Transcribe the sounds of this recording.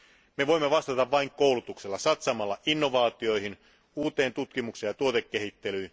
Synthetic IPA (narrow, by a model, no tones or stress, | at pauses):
me̞ʋo̞imːeʋɑst̪ɑt̪ɑʋʋɑiŋkowlut̪ukselːɑsɑt̪sɑmɑlːɑʔinːo̞ʋɑːt̪io̞jhin | uːt̪e̞ːnt̪ut̪kimukse̞jɑt̪uo̞t̪ekːeɦhit̪ːe̞lyː